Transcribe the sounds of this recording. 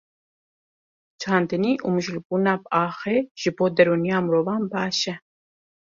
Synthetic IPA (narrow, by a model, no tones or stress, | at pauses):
t͡ʃʰɑːnd̪ɨniːʔumɨʒlbuːnɑːbʔɑːxeːʒ̥ɨboːd̪ɛɾuːnijɑːmɨɾoːvɑːnbɑːʃɛ